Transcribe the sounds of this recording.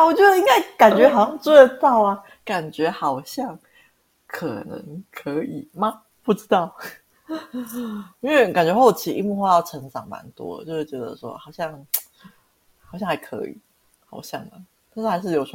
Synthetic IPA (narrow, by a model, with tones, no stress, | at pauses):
a˥wɔ˨˩t͡ɕjd̪ə˧i˥ŋka˥˩ɪka˨˩nt͡ɕɥɛ˧˦˥xɑ˨˩ɕjɑ˥˧ŋt͡swe˥˧ə˧t̪ɑ˥˩ʊa˨ | ka˨˩nt͡ɕɥɛ˧˥xɑ˨˩ʊɕjɑ˥˩ŋ | kʰə̰˨˩nə̰˧˦ŋkʰə˧˦i˨˩ma˨˩ | pu˥˩ʈ͡ʂɻ̩˥t̪ɑ˥˩ʊ | i˥ŋwe˥˩ka˨˩nt͡ɕɥɛ˧˦˥xo˥˩ʊt͡ɕʰi˧˥ʔḭ˥˧mu˥˧xwe˥˧jɑ˥˩ʊʈ͡ʂʰɤ˧˥ŋʈ͡ʂɑ˨˩ŋma̰˧˦nt̪wɔ̰˦ə̰˨t͡ɕo˥ʊʂ̩˥˩t͡ɕɥɛ˧˥d̪ə̰˧ʂwɔ̰˦xɑ˨˩ʊɕjɑ˥˩ŋ | xɑ˨˩ʊɕjɑ˥˩ŋha˧˥ɪkʰɤ̰˧˦ḭ˨˩˦ | xɑ˨˩ʊɕjɑ̰˥˩ŋd̪ə̰˩t̪ʰʂ̩˥˩a˧ɪʂ̬ɻ̩˥˩jo˨˩ʊʂ